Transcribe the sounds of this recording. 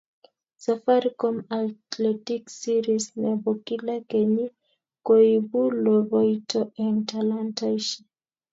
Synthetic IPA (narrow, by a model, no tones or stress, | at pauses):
safaɾikomatletiksiɾisnebokilakeɲi | kojbuloβojtoʔentalantajʃi